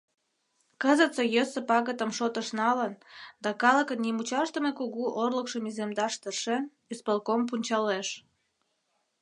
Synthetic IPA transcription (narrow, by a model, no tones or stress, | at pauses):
kəzət͡səjəsəpɑɣət̪əmʃot̪əʃnɑlənd̪ɑkɑlə̆kənːimut͡ɕɑʃt̪əmekuɣuʔorləkʃəmizemd̪ɑʃt̪ərʃen | ispəlkomp̬unʲt͡ɕɑleʃ